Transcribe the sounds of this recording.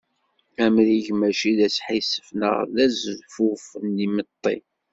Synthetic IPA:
æmɾiʝmæʃiðæsħisə̥fnə̰ʁðæzəðfufnːimət̪ˤːḭ

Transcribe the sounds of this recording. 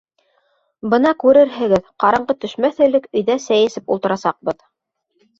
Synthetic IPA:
bɤ̆nɑkʉɾɘɾɦɘ̆ɡɘðqɑɾɤ̆ɴɢɤt̪ɵ̆ʃmæθɘ̆lɘkɵ̆jðæsæjɘ̆sɘpulˠt̪ɤ̆ɾɑsɑq̚bɤð

